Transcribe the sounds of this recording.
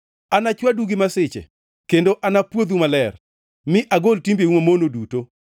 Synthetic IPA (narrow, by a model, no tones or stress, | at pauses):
anat͡ʃwaduɡimasɪt͡ʃɛ̰ | kendoʔanapwod̪umalɛr | mɪʔaɡoltimbeumamonoduto